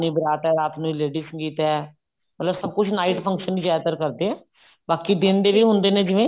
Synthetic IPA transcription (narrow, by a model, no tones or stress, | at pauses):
nĩːbəɾaːt̪ɛːɾaːt̪nũːileːɖiːsəŋɡiːt̪ɛː | mət̪ləbsəb̚kʊt͡ʃʰnaːiʈpʰə̃ŋkʃəniːd͡ʒɛːt̪əɾkəɾd̪eːɛː | baːkiːd̪ɪnd̪eːʋiːɦʊ̃nd̪eːnẽːd͡ʒɪʋẽː